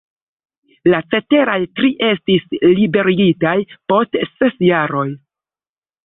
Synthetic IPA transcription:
lat͡se̞te̞ɾajtɾiʔe̞stislibe̞ɾiɡitajpo̞stse̞sjaɾo̞j

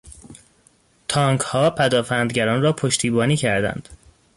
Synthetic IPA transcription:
t̪ʰɒːŋkʰhɒːpʰæd̪ɒːfænd̪ɟæɾɒːnrɒːpʰoʃt̪ʰiːbɒːniːcʰæɾd̪æ̰nd̪̥

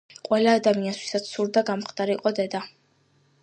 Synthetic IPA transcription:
qʼwɛlaːd̪amianst̪ʰwi̥sat̪ssuɾd̪aɡamχd̪ʼaɾiːqʼɔd̪ɛd̪a

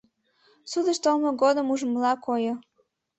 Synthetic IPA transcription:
sud̪ə̆ʃt̪olməɡod̪əmuʒəmlɑkojo

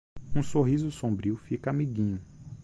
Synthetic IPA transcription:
ũsoɦizʊsõmbɾiʊfikɐamiɡĩɲʊ

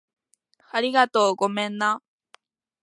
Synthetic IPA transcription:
aɾʲiɡat̪o̞ːɡo̞mẽ̞nːa

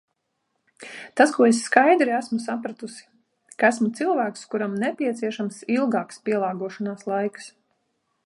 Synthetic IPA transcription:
t̪askuɔesːkajd̪ɾiæsmusapɾat̪usi̥ | kaæsmut̪silˠvæːkskuɾamnɛpʲiɛt̪siɛʃamsilˠɡaːkspiɛlˠɑːɡuɔʃanaːslˠajks

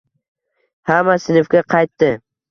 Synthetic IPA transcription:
hamasɪnɪfkʲaqʰɑjt̪ːɪ

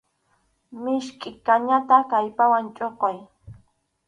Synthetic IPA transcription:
mɪʃkʼɪkaɲat̪akajpawant͡ʃʼoqoj

